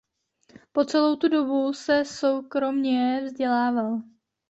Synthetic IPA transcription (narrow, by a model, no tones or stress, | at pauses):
po̞t͡sɛlo̞wt̪udo̞busɛso̞wkɾo̞mɲɛvzɟɛlaːval